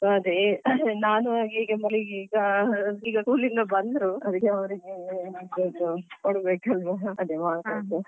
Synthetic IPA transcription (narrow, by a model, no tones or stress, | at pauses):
soːɐd̪enaːnuiːɡemɐliɡiɡɐiːɡɐkuːlind̪ɐbɐnd̪ɾuɐd̪ikːeɐʋɐɾiɡeid̪od̪ukoɽbeːkɐlʋɐɐd̪emaːkad̪u